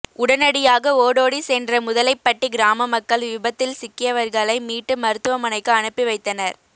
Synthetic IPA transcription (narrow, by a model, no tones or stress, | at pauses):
ʊɽɐnɐɽɪjaːɣɐoːɽoːɽisɛːndrɐmʊðɐlɐɪpːɐʈːiɡɪɾaːmɐmɐkːɐɭjʊbɐt̪ːɪlsɪkːɪjɐʋɐɾɣɐɭɐɪmiːʈːɯmɐɾɯt̪ːɯʋɐmɐnɐɪkːɯɐɳɯpːiʋɐɪt̪ːɐnɐɾ